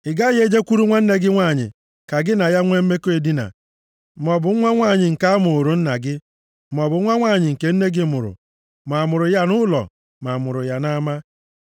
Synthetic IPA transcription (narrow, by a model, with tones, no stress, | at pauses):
ɪ˨ɡa˦je˦d͡ʒe˦kʷu˦ɾu˦ŋʷa˦n̩˦ne˦ɡɪ˦ŋʷa˦˨ɲɪ̰˨ | ka˨ɡɪ˦na˨ja˦ŋʷe˦m̩˦me˦ko˦e˨di˦na̰˨˦ | mɔ˨bʊ˨˦a˦ŋʷa˦˨ɲɪ˨ŋ̩˨ka˦a˦mʊ˨o˨ɾu˨n̩˦na˨ɡɪ˦ | mɔ˨bʊ˨˦ŋʷa˦ŋʷa˦˨ɲɪ˨ŋ̩˨ke˨n̩˦ne˦ɡɪ˦mʊ˨ɾʊ̰˨ | ma˨mʊ˨ɾʊ˨ja˦nʊ˦lɔ̰˨ | ma˨mʊ˨ɾʊ˨ja˨na˦ma˦